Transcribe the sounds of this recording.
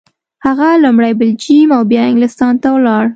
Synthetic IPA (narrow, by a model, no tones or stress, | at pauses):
haɣalʊmɽajbɪld͡ʒimawbjɑɪŋɡlɪst̪ɑnt̪awlɑɽ